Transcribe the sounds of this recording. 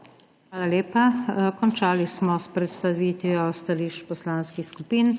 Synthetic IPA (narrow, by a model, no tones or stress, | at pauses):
xʋaːlaleːpakɔnt͡ʃaːlismɔspɾɛt̪st̪aʋiːt̪ʋiɔst̪aliʃt͡ʃpɔslaːnskixskupiːn